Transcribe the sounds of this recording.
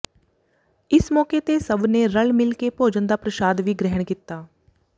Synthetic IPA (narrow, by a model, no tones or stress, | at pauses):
ɪsmɔːket̪esəbneɾəɭmɪlkepoːd͡ʒə̃nd̪aːpɾəʃaːd̪ʋiɡɾɛɦəɽ̃kit̪ːaː